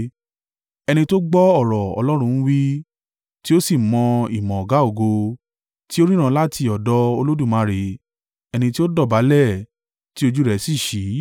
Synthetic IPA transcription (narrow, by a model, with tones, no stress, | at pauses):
ɛ˧nĩ˧to˦ɡ͡bɔ˦ɔ˦˨ɾɔ˨ɔ̰˧lɔ˦ɾ̃ũ˧˦ñ̩˦wi˦ | ti˦o˦si˦˨mɔ̃˧i˨mɔ̃˨ɔ˨ɡa˨˦o˨ɡo˧ | ti˦o˦ɾĩ˦ɾ̃ã˧la˦ti˧ɔ˨dɔ˦o˧lo˦dũ˦˨mã˧ɾe˨ | ɛ˧nĩ˧ti˦o˦dɔ˦˨ba˨˦lɛ˦˨ | ti˦o˧d͡ʒu˦ɾɛ˧si˦˨ʃi˨˦